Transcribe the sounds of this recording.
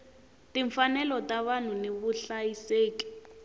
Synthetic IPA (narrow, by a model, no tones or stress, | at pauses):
tiɱfanɛlɔtaβanuneβuɬajiseːki̥